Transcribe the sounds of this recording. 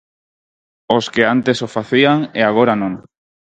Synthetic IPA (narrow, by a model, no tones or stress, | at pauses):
oskeant̪esofaθiaŋeaɣ̞oɾanõŋ